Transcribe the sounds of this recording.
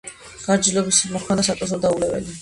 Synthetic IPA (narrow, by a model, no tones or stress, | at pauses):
ɡ̥aɾd͡ʒilɔbisimɔkʰmad̪asat̪ʼɔs̬ɔd̪aulɛvɛ̰li